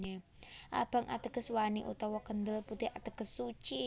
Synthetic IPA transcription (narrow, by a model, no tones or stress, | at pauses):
e | ʔa̰b̥a̤ŋʔa̰t̪əɡ̥əswanḭʔṵt̪ɔwɔkənd̪əlput̪ɪhat̪əɡ̥əsːut͡ʃi